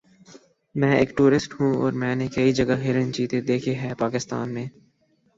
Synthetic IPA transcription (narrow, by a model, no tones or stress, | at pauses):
mɛ̃ːḛːkʈuːɾɪsʈhũːɔ̰ːɾmɛ̃ːnekɐid͡ʒɐɡaɦɪɾə̃nt͡ʃiːt̪ed̪eːkʰeɦɛːpaːkɪst̪a̰ːnmẽː